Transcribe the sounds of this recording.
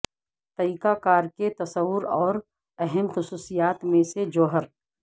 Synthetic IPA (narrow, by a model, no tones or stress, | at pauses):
t̪ɐiːkakaːɾket̪ɐsəwʊɾɔːɾ | ɛɦɛmxʊsuːsijaːt̪mẽsed͡ʒoːɦəɾ